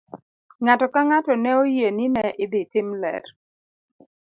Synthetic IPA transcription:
ŋatɔkaŋatɔnɛojeninɛʔɪd̪ɪtɪmlɛ̰ɾ

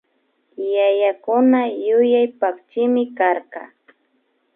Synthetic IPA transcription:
jajakʊnajʊjajpakt͡ʃɪmɪkaɾkɑ̰

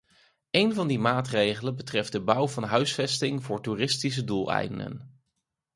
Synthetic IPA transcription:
ejnvɑndimaːtrejχələnbətrɛfd̚dəbʌwvɑnɦœɥsfɛstɪŋvʊːɹturɪstis̬ədulˠɛ̰jdəndə̰n

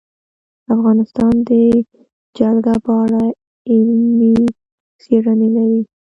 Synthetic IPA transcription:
afɣɑnɪst̪ɑnd̪ə | d͡ʒalɡabɑɽa | ɪlmi | seɾanelaɾi

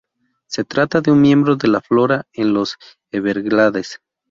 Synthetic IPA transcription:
se̞t̪ɾat̪aðeunmje̞mbɾo̞ðe̞laflo̞ɾaenlo̞s | eβeɾɣlaðes

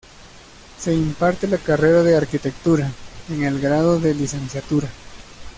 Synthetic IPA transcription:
se̞impaɾt̪elakare̞ɾaðeaɾkit̪e̞k̚t̪uɾaeŋe̞lɡɾaðoðe̞lise̞nsjat̪uɾa

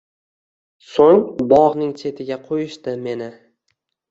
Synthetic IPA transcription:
soŋbɒʁnɪŋt͡ʃʰe̞t̪ʰɪɡʲaqʰojɪʃt̪ɪme̞nɪ

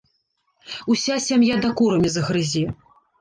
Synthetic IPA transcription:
usʲasʲamjad̪akuɾɐmʲizɐɣɾɨzʲɛ

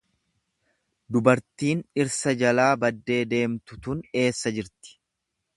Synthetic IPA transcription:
d̪ʊbɐɾt̪iːnɪɾsɐd͡ʒɐlaːbɐd̪ːe̞ːd̪e̞ːmt̪ʊt̪ʊne̞ːsːɐd͡ʒɪɾt̪ɪ̥

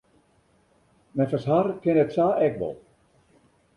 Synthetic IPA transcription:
mɛfasɦarkɪnətsaːɛkʋɔ̰lˠ

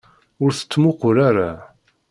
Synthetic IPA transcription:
ʊɾθə̥t͡sːmʊqʊɾaɾa

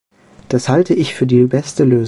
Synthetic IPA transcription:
d̥ashaltəʔɪçfyːɐdiːbɛstəløːz

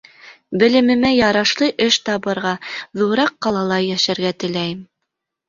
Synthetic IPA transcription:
bɘ̆lɘ̆mɘ̆mæjɑɾɑʃlˠɤʔɘʃt̪ɑβɤ̆ɾʁɑðuɾɑqːɑlˠɑlˠɑjæʃæɾɡæt̪ɘ̆læjɘm

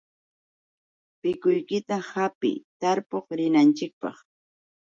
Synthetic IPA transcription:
pɪkʊjkɪt̪ahapɪ̰t̪aɾpoχɾɪnant͡ʃɪk̚pɑ̰χ

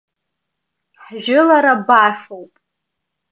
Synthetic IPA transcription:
ħʒɪlaɾabaʂowpʼ

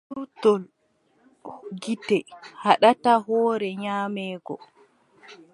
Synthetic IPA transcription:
utɔl | ɡitɛhaɗataɦɔːɾɛɲaːmɛːɡɔ̰

